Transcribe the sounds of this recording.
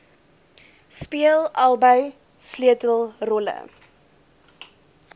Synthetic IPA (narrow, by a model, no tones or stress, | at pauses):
spiəlˠɐlˠbəj | sliətəlˠrɔlə̰